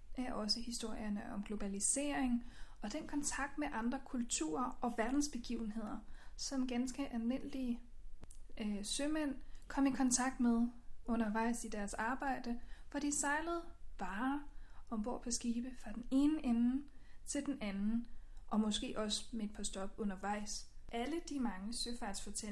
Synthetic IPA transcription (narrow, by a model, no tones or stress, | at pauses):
ʔɒ̽səhisd̥o̝ɐ̰jɐnəʔɒ̽mɡ̥lo̝b̥ælise̝̰ːɐ̰eŋɒ̽d̥enkʰɒ̽nt͡sʰɑ̈ɡ̥̚d̥meʔɑ̈nd̥ʁɐkʰult͡sʰṵːɐɒ̽ʋæɐd̥n̩sb̥e̝ɡ̥ḭʊn̩he̝ð̞̰ˠɐsɒ̽mɡ̥ænsɡ̥əʔælmen̰li | sømen̰kʰɒ̽m̰ikʰɒ̽nt͡sʰɑ̈ɡ̥̚d̥meðˠɔ̽nɐʋɑ̈ɪ̰sid̥æɐsɑ̈ːb̥ɑ̈ɪ̰d̥əfɒ̽d̥isɑ̈ɪləð̞̩ˠʋɑ̈ːʔɒ̽mb̥o̝ɐ̰pʰɒ̽sɡ̥iːb̥əfʁɑ̈d̥ene̝ːnəʔen̩t͡sʰe̝ld̥enænn̩ʔɒ̽mɒ̽sɡ̥e̝̰ːʔɒ̽smeed̥pʰɑ̈sd̥ɒ̽b̥ɔ̽nɐʋɑ̈ɪ̰sʔæləd̥imɑ̈ŋəsøfɑ̈d̥sfɒ̽t͡sʰe